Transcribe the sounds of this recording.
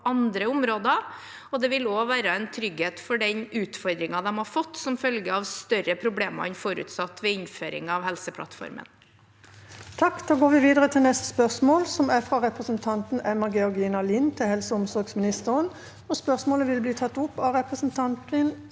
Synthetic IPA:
ʔɑnd̪ɾəʊmɾoːd̪ə | ɔd̪ɛʋɪloːʋæːɾəɛnt̪ʰɾʏɡheːt̪fɔɖɛnʉːt̪fɔɾd̪ɾɪŋɑd̪ɛmhɑɾfɔt̪ːsɔmfœlɡəɑʋst̪œɾəpʰɾʊbleːmɑ̰ɛnfoɾʉ̰t̪sɑt̪ːʋɛɪnføːɾɪ̰ŋɑʋhɛlsəpʰlɑ̰t̪fɔ̰ɾmə̰n | t̪ʰɑkːd̪̥oːɡoːʋɪʋiːd̪əʁət̪ʰɪlnɛst̪ə̥spœʁsmoːlsɔmæfɾɑʁɛpʁəsnt̪ʰɑnt̪n̩ʔɛmɑɡɛɔʁɡiːnɑliːnt̪ʰɪhɛlsəʊmsɔɾɡsmɪnɪst̪əʁən | ɔspœʁsmoːləʋɪlbliːt̪ʰɑt̪ːʊpːɑɾɛpɾəsənt̪ʰɑnt̪ɪn

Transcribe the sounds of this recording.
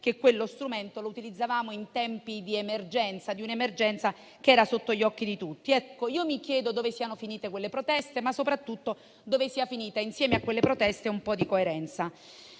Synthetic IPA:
k̟ekːwelːost̪ɾument̪olout̪ilid̪zːavaːmoint̪ɛmpid̪iemerd͡ʒɛnt̪sad̪iunemerd͡ʒɛnt̪sa | keɛːɾasot̪ːoʎːɔkːid̪it̪ut̪ːiɛkːoiːomikjɛːd̪od̪oːvesianofiniːt̪ekwelːepɾot̪ɛst̪emasːopɾat̪ːut̪ːo | d̪oːvesiːafiniːt̪ainsjɛːmeakwelːepɾot̪ɛst̪eumpɔd̪ikoeɾɛnt̪sa

